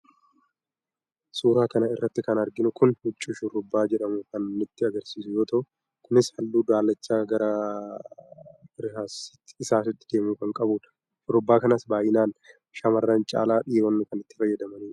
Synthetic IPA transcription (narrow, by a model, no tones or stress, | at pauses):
suːɾaːkɐnɐɪrːɐt̪ːɪkɐnɐɾɡɪnʊkʊnhʊt͡ʃʼːʊʃʊɾʊbːaːd͡ʒɛᶑɐmʊkɐnːʊt̪ːɪɐɡɐɾsiːsʊjo̞ːt̪ɐʔʊ | kʊnɪshɐlːuːd̪aːlːɐt͡ʃːaːɡɐɾɐ | bɪɾɪhaːsɪ̥t̪ːɪsaːsɪt̪ːɪ̥d̪e̞ːmukɐŋkʼɐbuːᶑɐ̥ | ʃʊɾʊbːaːkɐnasbaːjɪnaːn | ʃamɐrːaːnt͡ʃʼa̰ːlaːᶑɪjwɐnːɪkɐnɪt̪ːɪ̥fɐjːɐd̪ɐmɐniːᶑ̥